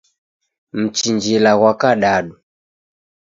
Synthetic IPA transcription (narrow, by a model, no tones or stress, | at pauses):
m̩t͡ʃiɲd͡ʒilaɣwakaɗaɗu